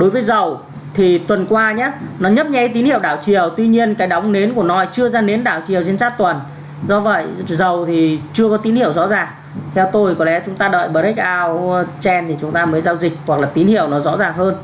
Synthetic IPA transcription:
ɗo˨˦jvəː˨˦jzə˨˩w | t̪ʰi˨˩t̪wə˨˩nkwaː˧ɲaː˨˦nɔ˨˦ɲə˦˥p̚ɲɛ̰˧˥˨jt̪i˨˦nhi˧˨ə˨wɗaː˧˩wt͡ɕi˨˩əwt̪wi˧ɲi˧ənkaː˨˦jɗa˨˦wŋ͡mne˨˦nku˧˩ənɔ˨˦t͡ɕɨ˧əzaː˧ne˨˦nɗaː˧˩˨wt͡ɕi˨˩əwt͡ɕe˧nsaː˦˥k̚t̪wə˨˩n | zɔ˧və̰˧˨jzə˨˩wt̪ʰi˨˩t͡ɕɨ˧əkɔ˨˦t̪i˨˦nhi˧˨əwzɔ̰˧˥zaː˨˩ŋ | t̪ʰɛ˧wt̪o˧jkɔ˨˦lɛ˨˦t͡ɕʊ˨˦ŋ͡mt̪aː˧ɗə̰ː˧˨jɓəː˨˩i˦˥k̚ʔaː˧wt͡ɕɛ˧nt̪ʰi˨˩t͡ɕʊ˨˦ŋ͡mt̪aː˧məː˨˦jzaː˧wzï˨˩k̟̚wa˨˩k̚laː˨˩t̪i˨˦nhḭ˧˨əwnɔ˨˦zɔ̰˧˥zaː˨˩ŋɦəː˧n

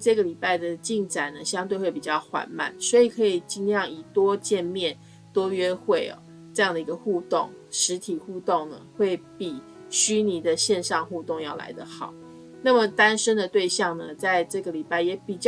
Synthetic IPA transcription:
ʈ͡ʂɤ˥˩ɡə˩li˨˩pa˥˩ɪd̪ə˩t͡ɕi˥˩ŋt͡sa˨˩ɪnə˩ɕjɑ˥ŋt̪we˥˧we˥˩ɪpi˨˩t͡ɕjɑ˥˩ʊxwa̰˧˥nma̰˨˩nswɔ˧˥i˨˩kʰɤ˧˥i˨˩t͡ɕi˧˥ŋljɑ˥˨˩ŋi˨˩t̪wɔ˥˦t͡ɕjɛ˥˧nmjɛ˥˨˩n | t̪wɔ˥ɥɛ˥xwe˥˩ɪɐ̰˨˩ | ʈ͡ʂɤ˥˧jɑ˥˩ŋd̪ə˩i˧˦ɡə˧xu˥˧t̪ʊ̰˥˨˩ŋ | ʂɻ̩˧˥t̪ʰi˨˩xu˥˧t̪o˥˩ŋnə̰˩xwe˥˩ɪpi˨˩ | ɕy˥ni˧˥d̪ə˨ɕjɛ˥˧nʂɑ˥˧ŋxu˥˧t̪ʊ˥˧ŋjɑ˥˩ʊla̰˧˥ɪd̪ə˨xɑ̰˨˩˦ʊ | na˥˩mə˨˩t̪a˥nʂə˥nd̪ə˨t̪we˥˧ɪɕjɑ˥˩ŋnə˩t͡sa˥˧ɪʈ͡ʂɤ˥˩ɡə˩li˨˩pa˥˩ɪjɛ˨˩˥pi˨˩t͡ɕ

